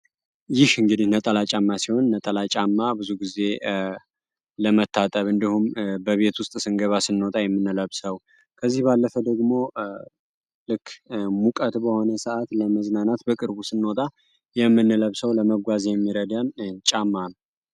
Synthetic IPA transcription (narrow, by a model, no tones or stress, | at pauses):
jɪhɨŋɡɨd̪ihnət̪ʼəlat͡ʃʼamːasiho̞nːət̪ʼəlat͡ʃʼamːabɨzuɡize̞ | ləmət̪ʰːat̪ʼəβɨnd̪ihumbəβe̞t̪wʊst̪ʼsɨŋɡəβasɨnːo̞t̪ʼajɛmːɨnːɨləβsəw | kʰəzːihbalːəfəd̪əɡmo̞ | lɨkːmukʼət̪bəho̞nəsəʔat̪ləməznanat̪bəkʼɨɾbusɨnːo̞t̪ʼa | jɛmːɨnːləβsəwləməɡʷazjɛmːiɾəd̪ant͡ʃʼamːanəw